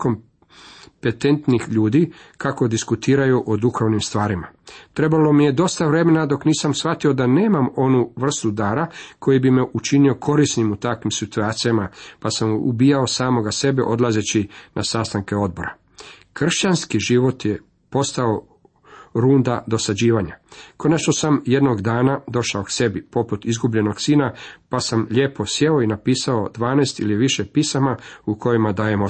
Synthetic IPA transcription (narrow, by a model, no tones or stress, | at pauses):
kom | pe̞t̪e̞nt̪nixʎuːd̪i | kako̞d̪iskut̪iːɾajuʔod̪uxoʋnimst̪ʋaːɾimat̪ɾe̞balo̞mije̞d̪o̞st̪aʋɾe̞me̞nad̪o̞kniːsamsʋat̪io̞d̪aneːmamo̞nuʋr̩st̪ud̪aːɾakʰo̞jibime̞ʔut͡ʃinio̞kʰo̞ɾisnimut̪akʋimsit̪uaːt̪sijamapasamṵbiːjao̞saːmo̞ɡase̞beʔo̞d̪lazet͡ɕinʔasast̪aŋke̞o̞d̪̚bo̞ɾa | kr̩ʃt͡ɕanskiʒiʋo̞t̪je | po̞st̪ao̞ | ɾuːnd̪ad̪o̞sad͡ʑiːʋaɲakʰonet͡ʃnosamje̞d̪no̞ɡd̪aːnad̪o̞ʃaokse̞bipo̞put̪izɡubʎe̞no̞ɡsiːnapasamʎe̞ːpo̞sje̞o̞inapiːsao̞d̪ʋaːnɛːst̪ḭliʋiʃe̞pisamaukʰo̞jimad̪aːjemo